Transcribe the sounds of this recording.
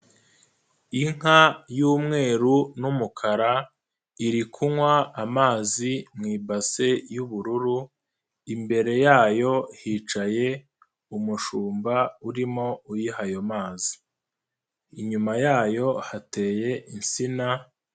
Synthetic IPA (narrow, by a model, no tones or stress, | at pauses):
iŋ̥ajuːmŋe̞ːɾunumukʰaɾa | iɾikʰumwaːmaːzimŋiːbase̞juβuɾuɾu | imbe̞ɾe̞jaːjo̞hiːt͡ʃaje̞ | umuʃuːmbauɾimo̞ujihajo̞maːzi | iɲumajaːjo̞hate̞ːje̞ʔinsina